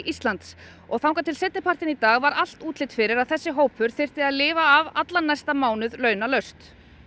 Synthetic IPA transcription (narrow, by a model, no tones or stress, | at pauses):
ʔist̪lant̪s | ɔɣθawŋkat̪ʰɪlsɪt̪nɪpʰar̥t̪ɪnit̪aːɣvaɾal̥t̪uːt̪lɪt̪fɪɾɪɾaðθɛsːɪɦoːwpʰʏɾ̥θɪr̥t̪ɪaðlɪːvaːvat̪lanːajst̪amaːwnʏðlœɥnalœɥst̪